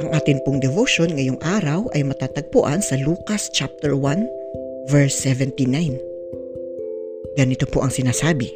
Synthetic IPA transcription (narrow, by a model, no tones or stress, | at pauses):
ʔɐŋʔaːt̪ɪnpʊŋd̪ɛvoʃonŋɐjoŋʔaːɾɐwʔɐjmɐt̪aːt̪ɐɡ̚pʊʔansɐluːkɐst͡ʃap̚t̪ɛɹwan | vɛɹsːɛvɛnt̪ɪnajn | ɡ̥ɐnɪt̪opoʔɐŋsɪnaːsaːbɪ